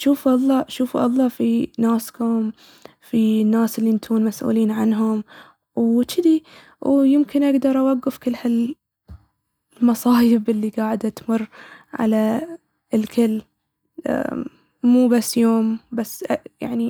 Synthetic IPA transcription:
ʃuːfʔɑlˤːɑːʃuːfuʔɑ̰lˤːɑːfinaːskʊm | finːaːsɪlːint̪ʰuːnmasʔṵːliːnʕanɦʊm | wt͡ʃɪd̪i | wjɪmkɪnʔaɡd̪ɑɾˤʔawaɡːɪfkɪlːhal | mɑsˤɑːjɪbɪlːiɡaːʕɪd̪at̪mʊrːʕa̰la | ɪlkʰɪlː | ʔ | muːbasːjoːmbasːja̰ʕni

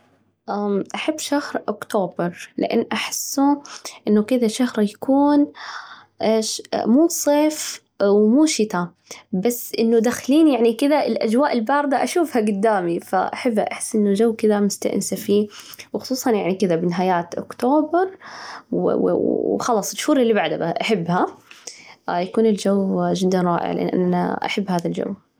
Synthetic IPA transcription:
ʔaːmʔaħabːʃahɾʔʊkt̪oːbɑɾˤlɪ̰ʔa̰nːʔaħɪsːuʔɪnːʊkɪðaʃahɾˤjakuːn | ʔeːʃmuːsˤeːf | wmuːʃɪt̪a | basːʔɪnːud̪axliːnjaʕnikɪðaɪlʔa̰d͡ʒwaːʔɪlbɑːɾˤd̪aʔaʃuːfhaɡʊd̪ːaːmifa̰ʔa̰ħabːha̰ʔaħɪ̥sːʔɪnːʊd͡ʒawːkɪðamʊst̪a̰ʔnsafiː | wxʊ̥sˤuːsˤɑnjaʕnikɪðabɪnɦaːjaːt̪ʔʊ̰kt̪oːbɑɾˤw̰ | xɑlɑːsˤʃhuːɾɪlːibaʕd̪abɪʔaħɪbːha | jakuːnɪld͡ʒawːd͡ʒɪd̪ːanɾˤɑ̰ːʔɪ̰ʕa̰lɪʔɪ̰nːʔa̰nʔana̰ʔa̰ħabːhaːðald͡ʒa̰wː

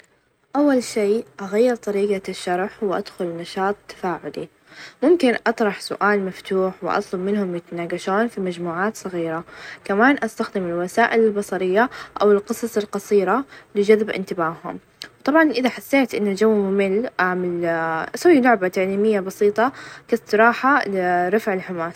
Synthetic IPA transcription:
ʔawːalʃiːʔaɣajːɪɾt̪ˤɑɾiːɡaʃːɑɾˤħwɪʔa̰d̪̥xʊlnɑʃɑːt̪ˤt̪ːḁfaːʕʊ̰lḭ | mʊmkɪnʔɑt̪ˤɾˤɑħsʊ̰ʔaːlmaft̪uːħwɪ̰ʔɑ̰t̪ˤlʊbmɪnhʊmjɪt̪anaːɡaʃoːnfimad͡ʒmuːʕaːt̪sˤɨɣiːɾakamaːnʔast̪axd̪ɪmɪlwasaːʔɪlɪlbɑsˤɑɾɪjːaʔawɪlqɨsˤɑsˤɪlqɑsˤiːɾalɪd͡ʒaðbʔɪ̰nt̪ɪbaːhʊ̰m | wt̪ˤɑbʕɑnʔɪðaħasːeːt̪ʔɪnːald͡ʒawːmʊmɪlːʔaʕmalʔasawːilʊʕbat̪aʕliːmɪjːabɑsiːt̪ˤɑkast̪ɨɾˤɑːħalɪɾˤɑfʕɪlħɪmaːs

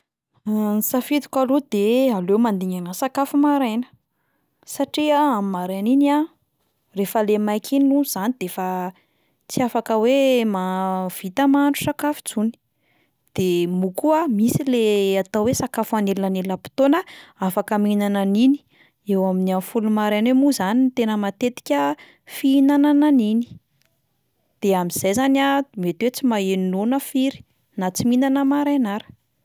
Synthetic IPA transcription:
nisafit̪u̥kʲalod̪ealewmand̪iŋanasakafumaɾenə̥ | saʈ͡ʂiaamimaɾanina | refəlemajkʰiniuz̥anid̪̥efə | t͡siafakəwemav̥it̪əmaɳʈ͡ʂu̥sakafu̥d͡zuni̥ | d̪̥emukuamisileat̪awwesakafuaneluanelapi̥t̪onəafakəminananini̥ | ewaminianfulumaɾanemuzanint̪enəmat̪et̪i̥kʲə | fiinanananini̥ | d̪̥eamiz̥ejzanamet̪wet͡simaeninonəfiɾi̥ | nat͡siminanəmaɾanaɾə̥

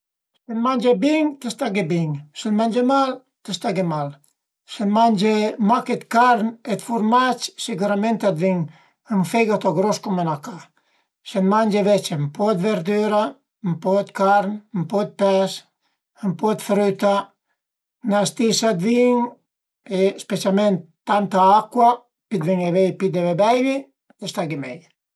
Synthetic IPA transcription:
senmand͡ʒebiŋt̪est̪aɡebiŋsenmand͡ʒemal | t̪est̪aɡemal | senmand͡ʒemaket̪kaɾnet̪fuɾmat͡ʃseɡuɾament̪ad̪viŋ | ənfeɡat̪oɡɾoskomanaka | senmand͡ʒevɛt͡ʃempɔd̪veɾd̪yɾa | mpɔt̪kaɾnmpɔt̪̚pɛs | əmpɔt̪fɾyt̪a | nast̪isad̪viŋ | espet͡ʃalment̪ːant̪aakwa | pid̪viŋevejpid̪evebɛjli | d̪est̪aɡimej

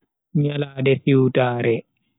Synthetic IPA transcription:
ɲalaːdɛsiwtaːɾɛ

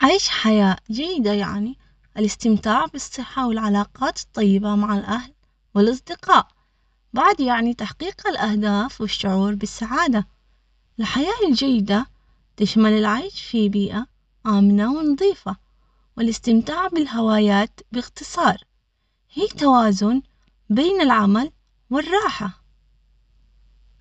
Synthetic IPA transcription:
ʕajʃħajaːʔd͡ʒajːɪd̪aja̰ʕni | ʔɪlɪst̪ɪmt̪aːʕbɨsˤːɨħːawɪlʕalaːqɑːt̪ɨ̥t̪ˤːɑjːɪbamaʕalʔahl | wɪlʔɑs̬ˤd̪ɪqɑːʔ | baʕd̪jaʕnit̪aħqiːqɪlʔahd̪aːfwɪʃːʊʕuːɾbɪsːaʕaːd̪a | ʔɪlħajaːʔɪld͡ʒajːɪd̪a | t̪ɪʃmalɪlʕaːʃfibiːʔa | ʔaːmnawɪnɑd̪ˤiːfa | wɪlʔɪst̪ɪmt̪aːʕbɪlɦawaːjaːt̪bɪɣt̪ɨsˤɑːɾˤ | hiːt̪awaːzʊn | beːnɪlʕamal | wɪrˤːɑːħa

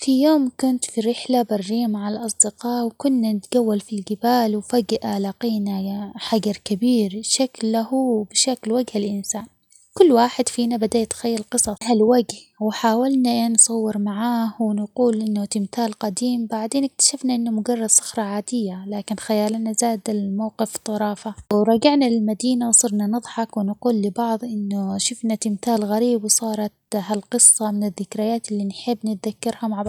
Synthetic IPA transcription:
fijoːmkʊnt̪fiɾɪħlabɑrˤːiːmaʕalʔɑsˤd̪ɪqɑːʔwkʊnːanɪt̪ɡawːalfilɡɪbaːlwfaɡʔalaqiːnaħaɡɑɾˤkabiːɾʃaklːahubɪʃaklwaɡhalʔɪnsaːn | kʊlːwaːħɪd̪fiːnabad̪at̪xajːalqɨsˤɑhalwaɡhwɪħaːwalnaʔeːnsˤɑwːɪɾmaʕaːhwɪnquːlʔɪnːʊt̪ɪmt̪aːlqɑd̪iːmbaʕd̪eːnɪk̚t̪ḁʃafnaʔɪnːʊmʊɡɑrˤːɑd̪sˤʊ̥xɾˤɑʕaːd̪ɪjːalaːkɪnxajaːlanazaːd̪almawqɪft̪ˤːɑɾˤɑːfaɾˤɑːɡɪʕnalɪlmad̪iːnawsˤɑɾˤnanɨðˤħɑkwɪnquːlːɪbɑʕðˤʔɪnːʊʃʊfnat̪ɪmθaːlɣaɾiːbwsˤɑːɾˤɑt̪ɦalqɨsˤːɑmɪnɪðːɪkɾajaːt̪ɪlːinħɪbːnɪt̪̚ðakːɑɾhamaʕ

